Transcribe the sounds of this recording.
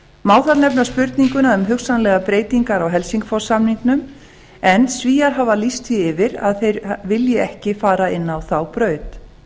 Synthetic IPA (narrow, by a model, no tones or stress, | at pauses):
maːwθalnɛp̬naspʏɾt̪niŋkʏnaðʏmɦʏxsanlɛɣapɾeːjt̪iŋkaɾawɦɛlsiŋkfɔɾsamniŋknʏm | ɛnsviːaɾɦaːvalist̪θiɪvɪɾa̰ðθejɾvɪljɪɛhcɪfaːɾaɪnːawθawpɾœːɥt̪